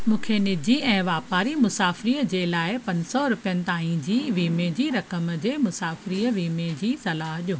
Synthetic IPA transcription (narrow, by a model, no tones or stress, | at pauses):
mũːkʰenɪd͡ʑʱiɛ̃ːʋaːpaːɾimʊsaːfɾiːəd͡ʑeːlaːɪpɐ̃ɲsɔɾʊpijənɪ̆t̪aːɦĩd͡ʑiːʋiːmẽd͡ʑiːɾɐkəmd͡ʑeːmʊsaːfɾiːəʋiːmẽd͡ʑiːsɐlaːɦʄjoː